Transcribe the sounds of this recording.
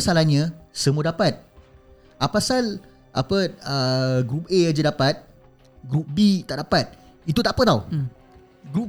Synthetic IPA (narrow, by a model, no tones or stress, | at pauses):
asalahɲãsəmuadapat̪̚ | apasal | ʔapəəɡɾup̚ead͡ʒadapat̪̚ | ɡɾup̚bit̪aʔdapat̪̚ | it̪ut̪aʔpət̪aw | ɡɾup̚